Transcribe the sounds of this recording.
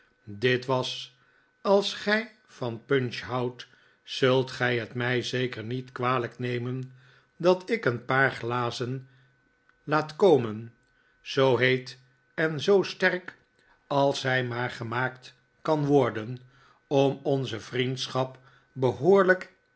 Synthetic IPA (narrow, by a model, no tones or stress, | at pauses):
dɪtʋɑs | ɑlˠsχɛj | fɑnpɵnʃɦɑwt | sɵlˠtχɛjɦətmɛjzejkəɹnitkʋaːləknejmən | dɑtɪkənpaːɹχlaːzən | laːtkowmən | z̥owɦejt | ɛnzowstɛrk | ɑlˠsɦɛjmaːɹχəmaːkt | kɑnʋɔɹdən | ɔmɔnzəvrintsχɑp | bəɦoːɹlək